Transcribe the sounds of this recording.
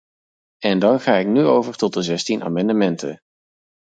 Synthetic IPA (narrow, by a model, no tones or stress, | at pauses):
ɛndɑnχaːɪknyowvəɹtɔt̚dəzɛstinʔa̰ːmɑndəmɛntə̰